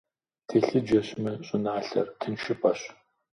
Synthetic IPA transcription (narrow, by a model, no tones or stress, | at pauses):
tʰeːɬɨd͡ʒɐɕmɨɕʼʊnaːɬɐ̰rtʰɨnʃɪpʰʼɐɕ